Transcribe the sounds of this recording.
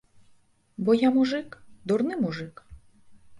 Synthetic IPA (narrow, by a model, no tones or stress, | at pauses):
bɔjamuʐɪkd̪ɔrnɪmuʐɪk